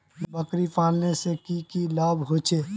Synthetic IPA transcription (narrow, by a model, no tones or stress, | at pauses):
bəkɾipaːlnesekikilaːbɦot͡ʃʰe